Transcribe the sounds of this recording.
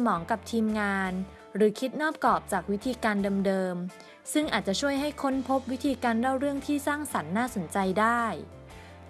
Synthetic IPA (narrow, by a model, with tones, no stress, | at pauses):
mɔː˩˦ŋka˨˩p̚t̪ʰiː˧mŋaː˧n | ɾɯː˩˦kʰi˦˥t̪̚nɔː˥˩p̚kɔː˨˩p̚t͡ɕaː˨˩k̚wi˦˥t̪ʰiː˧kaː˧ndɤː˧mdɤː˧m | sɯ˥˩ŋʔaː˨˩t̪̚t͡ɕa˨˩t͡ɕʰu˥˩əjɦa˥˩jkʰo˦˥npʰo˦˥p̚wi˦˥t̪ʰiː˧kaː˧ndaː˥˩wɾɯ˥˩əŋt̪ʰiː˥˩saː˥˩ŋsa˩˦nːaː˥˩so˩˦nt͡ɕa˧jdaː˥˩j